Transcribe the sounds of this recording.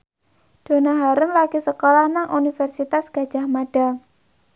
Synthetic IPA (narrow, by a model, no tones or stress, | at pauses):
ɖ̪̥o̤naɦaɾəŋlaɡ̥isəkolahnaŋʔunifɛrsit̪asɡ̥ä̤d̥ʒ̥a̤hmaɖ̥a